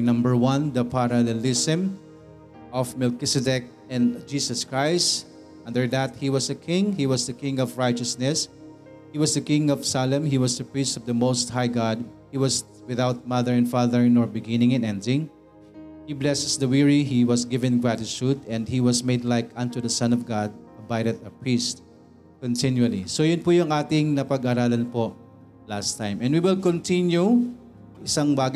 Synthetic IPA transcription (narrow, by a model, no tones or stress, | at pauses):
nʌ̃mbəɹwʌ̃nd̪ɐpʰaɾɐlɛlɪsɪ̃m | ʔɔvmɛlkɪsɛdɛk̚ | ɛ̃nd͡ʒisɐskɹaɪst | ʔʌ̃nd̪əɹd̪æt̪̚hiwʌsdəkʰɪ̃ŋhiwʌsd̪ɐkɪ̃ŋɔvɹaɪt͡ʃəsnɛs | hiwʌsd̪ɐkɪ̃ŋɔv̥salɛ̃mɦiwʌsd̪ɐpɹistɔvd̪ɐmoʊst̪̚hajɡɑd̪̚hiwʌs | wɪðaʊt̪̚mʌðəɹɛ̃nfɑðəɹnɔɹbɪɡɪ̃nɪ̃ŋɨ̃nɛ̃ndɪ̃ŋ | hiblɛsɛsd̪ɐwiɹihiwʌsɡɪvɛ̃nɡɹat̪ɪt͡ʃud̪ɛ̃nd̪hiwɐsmeɪd̪lajkɐ̃nt̪ud̪ɐsãnɔvɡad̪̚ | ɐbajɾɛd̪̚ɐpɹist̪̚ | kɔ̃nt̪ɪnjuɐlisojʊnpujʊŋʔaːt̪ɪŋnɐpɐɡɐɾaːlɐnpo | last̪ãjmʔɛ̃ndwiwɪlkɔ̃nt̪ɪnju | ʔɪsaŋbaɡ